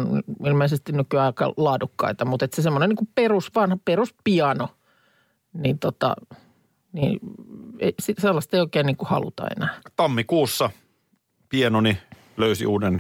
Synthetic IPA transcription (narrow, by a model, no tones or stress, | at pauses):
nn̰ilmeˑisest̪innykyɑikɑ̰lɑːdukːɑ̰it̪ɑmut̪et̪sesemːoneniːŋkuperusʋɑnhɑperuspiɑno | niːnt̪ot̪ɑ̰ | nḭː | ḛisiselːɑst̪eioˑikeːnniːŋkuhɑ̰lṵt̪ɑ̰ḛnæːt̪ɑmːikuːsːɑ | pienoni | løysḭʔuːden